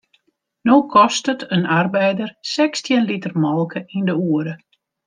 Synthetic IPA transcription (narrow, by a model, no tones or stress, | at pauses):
noːkʰɔstətənarbɛjdərsɛkstjənlitərmɔlˠkəʔindəuːəɾə